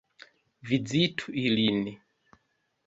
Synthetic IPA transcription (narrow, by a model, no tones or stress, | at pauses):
vid͡zitʰuilini